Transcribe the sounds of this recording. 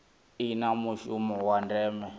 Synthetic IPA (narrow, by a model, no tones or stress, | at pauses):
inamuʃumɔwandɛːmɛ